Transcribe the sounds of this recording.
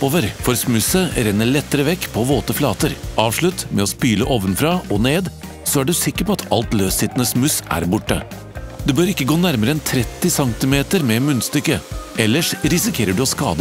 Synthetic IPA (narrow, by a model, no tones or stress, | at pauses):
oːʋəɾfɔɾsmʉsəɾɛnːəɭɛt̪ːəɾəʋɛkːpʰɔʋoːt̪əflɑːt̪əɾʔɑːʋʂɭʉt̪mɛɔspyːləʔoːʋənfɾɑʔɔneːd̪ | sɔæɖʉsɪkːəɾpʰɔɑt̪ʰɑlt̪løːsɪt̪nəsmʉsʔæ̰ɾbʊʈːə̰ | d̪ɛbøːɾɪkːəɡoːnæɾməɾəɛnt̪ʰɾɛt̪ːɪsɑŋt̪ɪmeːt̪əɾmɛmʉnst̪ʏkːəʔɛlːəʂɾɪsɪkʰeːɾəɖʉoːskɑ̰ːd̪ə